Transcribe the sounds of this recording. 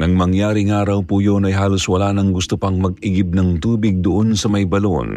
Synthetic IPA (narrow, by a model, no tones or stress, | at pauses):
nɐŋmɐŋjaːɾɪŋaːɾɐwpujonɐjɦaːloswɐlanɐŋɡʊst̪ʊpɐŋmɐɡɪɡɪb̚nɐŋt̪uːbɪɡ̚d̪ʊʔonsɐmɐjbɐlo̰n